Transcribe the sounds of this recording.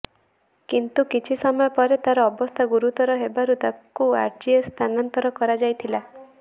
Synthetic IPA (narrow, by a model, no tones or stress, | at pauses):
kint̪ukit͡ʃʰisɔmɔjɔpɔɾet̪aɾɔːbɔst̪ʰaɡuɾut̪ɔɾɔɦebaɾut̪akua̰ɾd͡ʒiest̪ʰanant̪ɔɾɔkɔɾad͡ʒajt̪ʰila